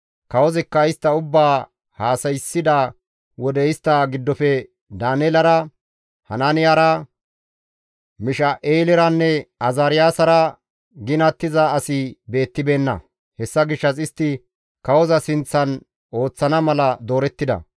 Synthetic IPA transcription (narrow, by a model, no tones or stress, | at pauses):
kɐwɔzɛkːɐɪst̪ːɐʊbːaː | haːsɐjsːɪd̪a | wɔd̪ɛɪst̪ːɐɡɪd̪ːɔfɛ | d̪aːnɛlɐɾɐ | hɐnaːnɪjaːɾɐ | mɪʃɐʔeːlɪɾɐnːɛɐzaːɾɪjaːsɐɾɐ | ɡɪnɐt̪ːɪzɐːsɪbe̞ːt̪ːɪbe̞ːnːɐ̰ | hɛsːɐɡɪʃːɐs̬ɪst̪ːɪ | kɐwɔzɐsɪnt͡sːɐn | o̞ːt͡sːɐnɐmɐlɐd̪o̞ːɾɛt̪ːɪd̪ɐ̰